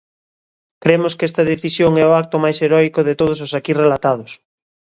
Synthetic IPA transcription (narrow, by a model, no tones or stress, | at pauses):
kɾemʊskɛst̪ɐðeθisjoŋɛʊak̚t̪omajseɾɔjkʊðɪt̪oð̞ʊs̬osakirelat̪að̞ʊs